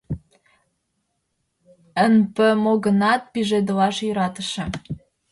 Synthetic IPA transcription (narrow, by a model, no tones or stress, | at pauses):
ənpə̆moɣə̆nɑt̪̚piʒed̪əlɑʃjəɾɑt̪ə̆ʃĕ